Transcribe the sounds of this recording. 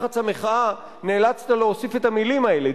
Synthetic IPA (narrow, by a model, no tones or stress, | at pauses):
χat͡sameχaa | neːlat͡st̪aleosife̞t̪amilimae̞le